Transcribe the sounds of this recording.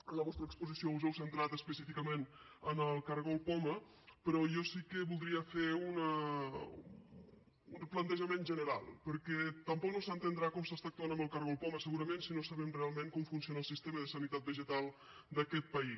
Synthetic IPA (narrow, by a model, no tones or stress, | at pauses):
ənləβɔst̪ɾəkspuzisiouzɛwsənt̪ɾat̪əspəsifikəmen | ənəlˠkaɾɣolˠpɔmə | pəɾɔjɔsikəβulˠd̪ɾiəfeunə | unplənt̪əʒəmenʒənəɾa̰lˠpəɾkɛt̪əmpɔk̚nosənt̪ənd̪ɾakɔmsast̪aːk̚t̪uanəmbəlˠkaɾɣolˠpɔməsəɣuɾəmensinosaβɛmrealˠmeŋkɔmfuns̬ionaəlˠsist̪eməðəsənit̪at̪̚bəʒət̪alˠ | d̪əkɛt̪̚pəi